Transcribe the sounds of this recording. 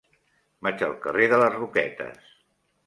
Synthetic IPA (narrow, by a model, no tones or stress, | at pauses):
mat͡ʃəlˠkəreðələzrukɛt̪ə̰s